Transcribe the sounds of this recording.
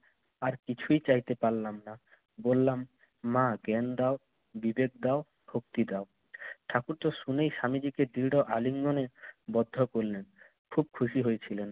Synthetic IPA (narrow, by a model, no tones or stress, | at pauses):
aɾkit͡ɕʰujt͡ɕajt̪epaɾlamna | bolːamː | aɡɛnd̪ao | bibek̚d̪ao | bʱok̚t̪id̪ao | ʈʰakuɾt̪oʃunejʃamid͡ʑiked̪iɾɖoʔaliŋɡonebɔd̪ʱːokoɾlen | kʰub̚kʰuʃiɦojet͡ɕʰilen